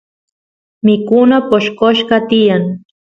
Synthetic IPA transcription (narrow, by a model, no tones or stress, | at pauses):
mɪkʊnapoʃkoʃɢɑt̪ɪjaŋ